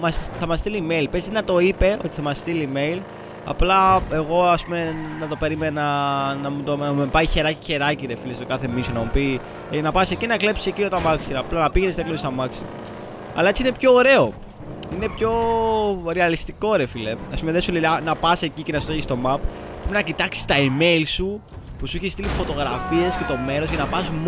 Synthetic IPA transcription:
mɐsθɐmɐst̪ilimeilpezinɐt̪o̞ipe̞ʔo̞̰t̪i̥θɐmɐst̪ilime̞il | ɐ̰plɐe̞ɣo̞ɐspume̞nɐt̪o̞pe̞ɾimenɐnɐmut̪onɐmumepɐiçe̞ɾɐci̥çe̞ɾɐciɾe̞filest̪okɐθe̞misonɐmupi | nɐpɐse̞cinɐklepsisecinot̪ɐmɐksiɾɐplɐnɐpiʝenest̪elonist̪ɐmɐksḭ | ɐlɐe̞t͡siine̞pço̞ːɾe̞o̞ | ine̞pço̞ | ɾeɐlist̪iko̞ɾe̞fileɐspumeðesuleɐnɐpɐse̞cicenɐsu̥t̪eçist̪o̞mɐp | pɾepinɐcit̪ɐksi̥st̪ɐime̞ilsu | pusuiçeist̪ilifo̞t̪o̞ɣɾɐfiesce̞t̪o̞me̞ɾo̞scɐnɐpɐsm

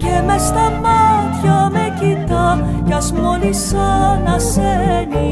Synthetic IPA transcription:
cemest̪ɐmɐt̪çɐmecit̪ɐ | cɐzmolisanɐseni

